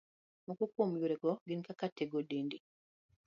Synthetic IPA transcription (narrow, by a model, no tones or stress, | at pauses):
mukukːomujuɾekoɡenikakatːeɡodiːndi